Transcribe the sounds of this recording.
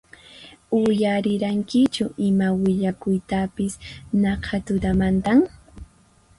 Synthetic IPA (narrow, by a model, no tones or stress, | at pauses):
ʊjaɾɪɾaŋkɪt͡ʃʊʔɪmawɪʎakʊjt̪apɪsnɑqʰat̪ʊd̪amant̪aŋ